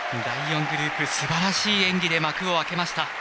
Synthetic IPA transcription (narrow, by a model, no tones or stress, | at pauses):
d̪aijõ̞ŋɡɯ̟ɾɯ̟ːpɯ̟sɨbaɾaɕiːẽ̞ŋɡʲid̪e̞makɯ̟o̞ake̞maɕi̥t̪a